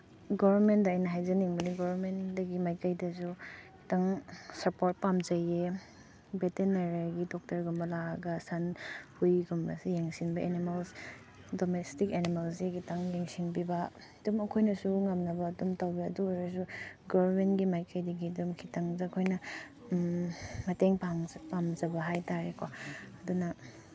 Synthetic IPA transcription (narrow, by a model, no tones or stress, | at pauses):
ɡɔbɐɾmentdɐːjnɐɦajzɐniŋbɐniɡɔβɐɾmendɐɡimajkajdɐsukʰitaŋsɐpoɾt̚pamzɐje | betenaɾaɡidɔk̚tɐɾɡumbɐlaɡɐsɐnhujɡumɾɐ̰sijeŋsinbɐʔenimɐls | domestikenimɐls̬ikʰitaŋjeŋsinbibɐ | dumɐkʰojnɐsuŋɐmnɐbɐːdumtawbiɐduɾɐs̬uɡɔmenɡimajkʰajdiɡidumkʰitaŋzakʰojnɐ | mɐteŋpaŋzpamzɐbɐɦajtaɾekʰoɐdunɐ